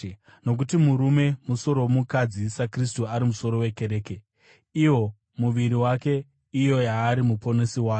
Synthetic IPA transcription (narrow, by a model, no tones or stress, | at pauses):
no̞k̬utimuɾume̞muso̞ɾo̞womukad͡zisakris̬tuaɾimuso̞ɾo̞we̞ke̞ɾe̞ːke | iwo̞ | muʋiɾiwake̞ | ijo̞jaːɾimupo̞nesiwaː